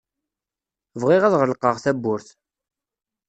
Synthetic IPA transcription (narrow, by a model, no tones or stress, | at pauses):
vʁɪʁæðʁəlqəʁθæbːʊɾθ